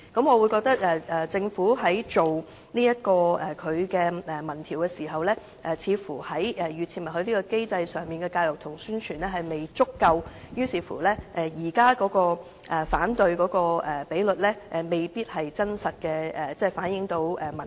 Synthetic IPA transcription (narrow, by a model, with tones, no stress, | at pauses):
kɐ˨˥mŋɔː˨˧wu˨˧jkɔː˧k̚t̪ɐ˥k̚ɛː˨˩ɛ˨t͡sɪ˧ŋfuː˨˥ɦɐ˨˥jt͡ʃo˨w | niː˥jɐ˥t̚kɔː˧ɛ˨kʰɵ˨˧ɥkɛː˧ɛ˨mɐ˨˩nt̪ʰiː˨˩wkɛ˧siː˨˩ɦɐ˨wlɛː˥ | ʔɛː˨˩t͡sʰiː˨˧fuː˨˩hɐ˨˥jɛ˨jyː˨t̚t͡sʰiː˧˩mɐ˨˩hɵ˧ɥliː˥kɔː˧ke˥jt͡sɐ˧jsœː˨˩ŋmiː˨nkɛ˧kaː˧jlɔ˨˩k̚t̪ʰʊ˨˩ŋsyː˥nt͡ʃʰyː˨˩nlɛː˥ɦɐ˨jme˨jt͡sʊ˥kːɐ˧w | jyː˥siː˨˧fṵː˨˩lɛː˥ʔɛː˨jiː˨˩kaː˥kɔː˨˥kɔː˧ | ʔɛ˨faː˨˥nt̪ɵ˧ɥkɔː˨˧˥kɔː˧ɛ˨pe˨˥jlɵ˨t̚lɛː˥ʔme˨˩jpiː˥t̚hɐ˨jt͡sɐ˥nsɐ˨t̚kɛː˧ɛ˨˩t͡sɛː˥˩faː˨˥njɪ˨˥ŋt̪o˨˧˥wɛː˨˩mɐ˨˩